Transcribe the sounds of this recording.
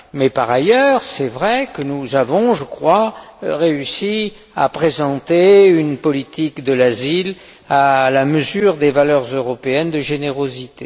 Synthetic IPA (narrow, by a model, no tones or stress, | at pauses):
mɛpaʁajœʁsɛvʁɛkənuzavɔ̃ʒəkχwaʁeysi | a̰pχezɑ̃t̪eynpɔlit̪ikd̪əlazil | alaməzyʁd̪evalœʁzøʁɔpeɛnd̪əʒeneʁozit̪e